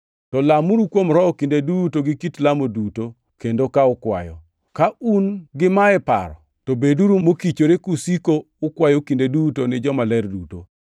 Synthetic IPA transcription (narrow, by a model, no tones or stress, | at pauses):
tɔlamuɾukwomɾɔɔkindedutoɡɪkitlamoduto | kendokaʊkwa̰jɔ̰ | kaunɡɪmaɛpa̰ɾɔ̰ | tobeduɾumokit͡ʃoɾekusikoːkwajokindedutonɪd͡ʒɔmalɛrduto̰